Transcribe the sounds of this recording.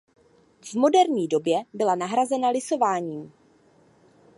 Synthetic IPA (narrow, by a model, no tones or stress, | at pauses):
vmo̞dɛɾɲiːdo̞bjɛbɪlanaɦɾazɛnalɪso̞vaːɲiːm